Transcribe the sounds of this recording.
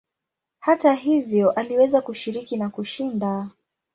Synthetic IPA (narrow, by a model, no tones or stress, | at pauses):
hataɦivjɔʔaliwɛzakuʃiɾikinakuʃinda